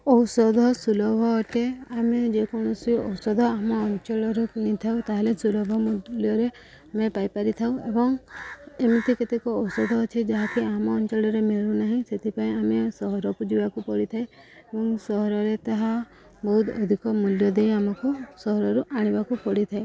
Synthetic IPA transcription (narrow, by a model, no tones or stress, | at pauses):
ɔwsɔd̪ʱɔsulɔbʱɔʈeamed͡ʒekɔɽ̃ɔsiɔ̰wsɔd̪ʱɔamɔːnt͡ʃɔɭɔɾukiɽ̃it̪ʰawt̪aɦelesulɔbʱɔmud̪ljɔɾe | amepajpaɾit̪ʰawebɔŋemit̪iket̪ekɔɔwsɔd̪ʱɔːt͡ʃʰid͡ʒaɦakiamɔːnt͡ʃɔɭɔɾemeɭunaɦĩset̪ʰipaĩamesɔɦɔɾɔkud͡ʒibakupɔɽit̪ʰae | ebɔŋsɔɦɔɾɔɾet̪aɦa | bɔɦut̪ʰɔ̰d̪ʱikɔmuljɔd̪ejamɔkusɔɦɔɾɔɾuʔaɽ̃ibakupɔɽit̪ʰae